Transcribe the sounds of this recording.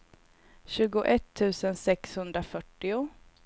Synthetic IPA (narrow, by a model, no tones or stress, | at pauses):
ɕʉ̟ːɡʊʔɛt̪ʰːʉ̟ːsənsɛkshɵnd̪ɾafœʈːɪʊ